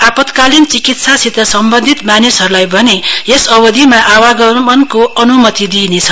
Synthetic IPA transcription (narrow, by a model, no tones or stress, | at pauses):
apʌt̪kalint͡sikit̪sasit̪ʌsʌmbʌnd̪ʱit̪manisɦʌɾulajbʱʌneesʌbʌd̪ʱimaʔawaɡʌmʌnkoʌnumʌt̪id̪inet͡sʰʌ